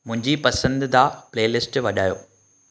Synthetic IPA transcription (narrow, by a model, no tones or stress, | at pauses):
mʊ̃ɦɪ̃ɲd͡ʑipɐsə̃nd̪d̪aːpleːlɪsʈʋɐɗaːjo̰ː